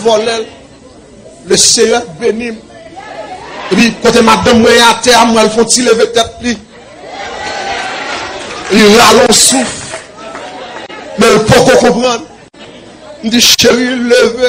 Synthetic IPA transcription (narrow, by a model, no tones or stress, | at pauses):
vɔlɛl | løsejɛbenĩm | epĩkot̪emad̪ɔ̃mwɛ̃j̃at̪ɛamwɛ̃lfɔ̃tilevet̪ɛt̪̚li | liɣalɔ̃suf | mɛ̃lpokokũpɣãn | n̩diʃewilleve